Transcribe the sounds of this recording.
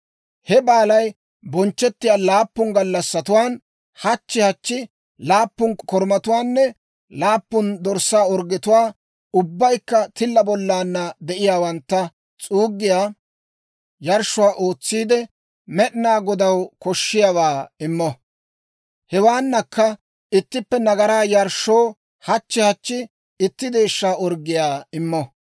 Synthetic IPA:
hɛbaːlɐj | bɔnt͡ʃːɛt̪ːɪjaːlaːpːʊŋɡɐlːɐsːɐt̪ʊwaːn | hɐt͡ʃːɪhɐt͡ʃːɪ | laːpːʊnkɔɾmɐt̪ʊwaːnːɛ | laːpːʊnd̪ɔɾsːaːɔɾɡɪt̪ʊwaː | ʊbːɐjkːɐt̪ɪlːɐbɔlːaːnːɐd̪ɛʔɪjaːwɐnt̪ːɐ | t͡sʼuːɡːɪjaː | jɐɾʃːʊaːʔoːt͡sːiːd̪ɛ | mɛɗnaːɡɔd̪ɐwkɔʃːɪjawaːɪmːɔ | hɛwaːnːɐkːɐ | ɪt̪ːɪpːɛnɐɡɐɾaːjɐɾʃːo̞ː | hɐt͡ʃːɪhɐt͡ʃːɪ | ɪt̪ːɪd̪e̞ːʃːaːɔɾɡːɪjaːɪmːɔ

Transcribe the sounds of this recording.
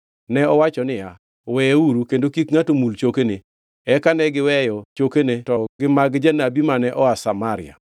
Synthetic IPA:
nɛɔwat͡ʃɔnɪja | wɛuɾukendokikŋatomult͡ʃokene | ɛkanɛɡɪwɛjɔt͡ʃokenetɔɡɪmaɡd͡ʒɛnabimanɛʔɔasamaɾɪ̰a̰

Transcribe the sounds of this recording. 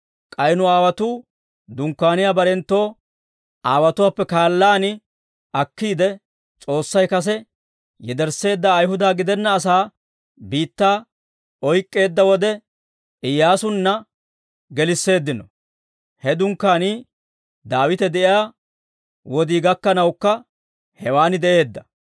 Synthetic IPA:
kʼɐjnʊaːwɐt̪uː | d̪ʊŋkːaːnɪjaːbɐɾɛnt̪ːo̞ː | ʔaːwɐt̪ʊwaːpːɛkaːlːaːnɪ | ʔɐkːiːd̪ɛ | t͡sʼo̞ːsːɐjkɐs̬ɛ | jɛd̪ɛɾse̞ːd̪ːɐːjhʊd̪aːɡɪd̪ɛnːɐːs̬aː | biːt̪ːaː | ɔjkʼːe̞ːd̪ːɐwɔd̪ɛ | ɪjːaːsʊnːɐ | ɡɛlɪsːe̞ːd̪ːɪnɔ | hɛd̪ʊŋkːaːniː | d̪aːwɪt̪ɛd̪ɛʔɪjaː | wɔd̪iːɡɐkːɐnɐwkːɐ | hɛwaːnɪd̪ɛʔe̞ːd̪ːɐ

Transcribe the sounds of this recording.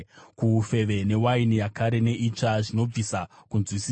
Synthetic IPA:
kufe̞ʋe̞ne̞wainijakaɾe̞ne̞ʔit͡ʂaʐino̞b͡visakunzwisi

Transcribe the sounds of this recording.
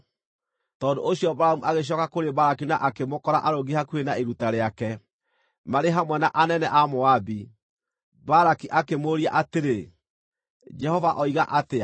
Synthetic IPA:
tɔːndo̰ʔoɕjɔbɾaamuʔaɣeɕ̬jɔkakoɾebaɾakinaʔakemokɔɾaʔaɾoɡihakwenaeɾutaɾeakɛ | maɾeɦamwɛnaʔanɛnɛʔamoabi | baɾakiʔakemoɾia̰ʔateɾe | d͡ʒɛhɔvaʔɔiɣaʔatea

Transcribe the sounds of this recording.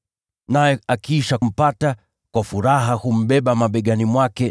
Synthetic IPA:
najɛakiʃam̩pata | kwafuɾaɦahum̩ɓɛɓamaɓɛɠanimwakɛ

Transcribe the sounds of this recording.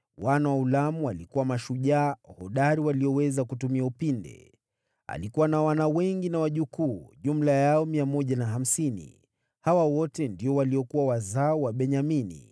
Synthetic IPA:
wanawaulamualikuwamaʃuʄaːhɔɗaɾiwaliɔwɛzakutumiaupindɛ̰ | a̰likuwanawanawɛŋɡinawaʄukuːʄum̩lajaɔmiamɔʄanaɦam̩sinḭ | hawawɔtɛndiɔwaliɔkuwawazaɔwaɓɛɲaminḭ

